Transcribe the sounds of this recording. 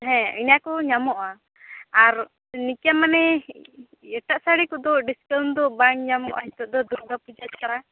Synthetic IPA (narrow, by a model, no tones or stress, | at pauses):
ɦɛ̃injakɔɲamɔʔa | aɾ | nikjamanɛ | ɛʈaʔsaɽikɔd̪ɔɖiskawnd̪ɔbaŋɲamɔʔa̰ɦit̪ɔʔ̚d̪ɔd̪uɾɡ̪apud͡ʒatkaɾa